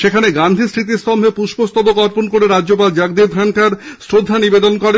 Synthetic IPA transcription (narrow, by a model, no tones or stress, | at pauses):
ʃekʰaneɡand̪ʱist̪ɾit̪̬ist̪ɔmbʱepuʃbost̪obokɔɾponkoɾeɾad͡ʑd͡ʑop̬ald͡ʑaɡd̪ib̪ʰʱaɳʈaɾsɾod̪ʱːanibed̪onkɔɾe